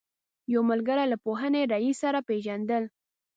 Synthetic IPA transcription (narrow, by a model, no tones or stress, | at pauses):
jawməlɡəɾalapoɦəneɾaisaɾapeʒand̪əl